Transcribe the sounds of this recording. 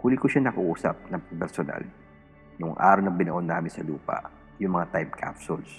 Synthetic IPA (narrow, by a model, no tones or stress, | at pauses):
huːlɪkʊʃanɐkɐʔuːsɐ̰p̚nɐpɛɾsona̰l | nʊŋʔa̰ːɾɐwnɐŋbɪnɐʔonːaːmɪnsɐluːpɐ̰ʔ | jʊŋmɐŋat̪ajp̚kʰa̰psʊls